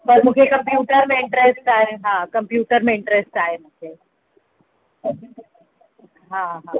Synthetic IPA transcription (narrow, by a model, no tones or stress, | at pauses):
pɐɾmʊd͡ʒʰʱekɐ̃mpjuːʈəɾmẽɪ̃ɳʈɾesʈaːeɦãːkɐmpjuːʈəɾmẽɪ̃ɳʈɾesʈaːemʊkʰe | ɦãɦã